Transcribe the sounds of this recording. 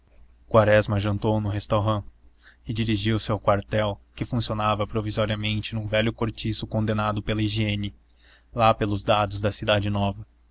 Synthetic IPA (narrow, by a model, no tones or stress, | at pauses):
kwaɾɛzmɐʒɐ̃nt̪ownʊɦest̪oɦɐ̃ɪd͡ʒiɾiʒiwsɪawkwaɾt̪ɛwkɪfũsionavɐpɾovizɔɾiɐmẽnt͡ʃɪnũvɛljʊkoɾt͡ʃisʊkõnd̪enad̪ʊpelɐiʒiẽnɪ | lapelʊzd̪ad̪ʊzd̪ɐsid̪ad͡ʒɪnɔvɐ